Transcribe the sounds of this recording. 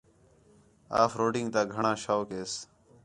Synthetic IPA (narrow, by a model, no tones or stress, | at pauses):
a̰ːfɾoːɖɪŋɡt̪aːɡʱəɳãːʃaːkeːs